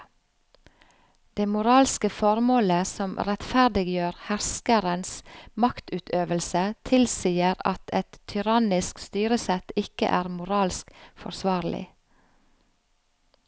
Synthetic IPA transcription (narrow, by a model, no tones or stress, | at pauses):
d̪̥eːmʊɾɑːlskəfɔɾmoːləsɔmɾɛt̪fæɾd̪ɪɡjøːɾhæɾskəɾənsmɑkt̪ʉːt̪ʰøːʋəlsət̪ʰɪlsiːəɾɑ̰t̪ʰɛt̪ʰːʏɾɑnɪskst̪yːɾəsɛt̪ɪkə̰ʔæːɾmʊɾɑːlskfɔ̰ɾsʋɑːɾlɪ̰